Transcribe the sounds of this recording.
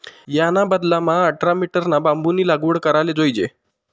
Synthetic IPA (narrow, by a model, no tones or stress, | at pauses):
janabəd̪lamaəʈɾamiʈəɾnabambuniːlaɡuːɽkəɾaled͡zojd͡ʑe